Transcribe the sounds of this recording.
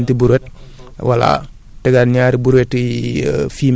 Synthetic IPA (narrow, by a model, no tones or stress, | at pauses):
ntibuɾwet̚ | wa̰la̰ | tɛɡanɲaːɾibuɾwetifiːm